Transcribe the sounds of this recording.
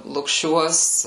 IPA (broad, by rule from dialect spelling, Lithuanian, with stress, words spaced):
lˠʊkˈʃʲuɔs